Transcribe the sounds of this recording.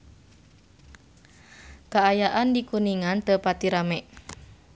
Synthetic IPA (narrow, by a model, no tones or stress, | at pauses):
kaːjaʔandikuniŋant̪əpat̪iɾamɛʔ